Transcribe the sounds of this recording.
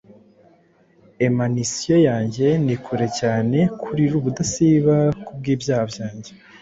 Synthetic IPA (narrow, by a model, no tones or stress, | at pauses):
emanisijo̞jaːɲɟe̞nikʰuɾe̞caːne̞kʰuɾiɾuːβudasiβakub̚ɡiːbjaːhabjaːɲɟe̞